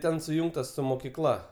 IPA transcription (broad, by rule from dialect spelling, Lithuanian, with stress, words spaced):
ˈtʲɛn sʊˈjʊŋktɐs sʊ moːkʲɪˈklˠɐ